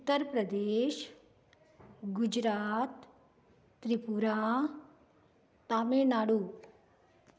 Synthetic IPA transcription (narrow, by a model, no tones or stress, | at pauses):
t̪ːəɾpɾɐd̪eːʃ | ɡud͡ʒɾaːt̪ː | ɾipuɾa | t̪aːmenaːɽuː